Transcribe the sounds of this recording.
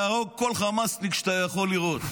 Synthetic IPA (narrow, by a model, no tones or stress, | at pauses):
aʁo̞ɡ̚ko̞lχamast̪ikʃt̪ajaχo̞liʁo̞t̪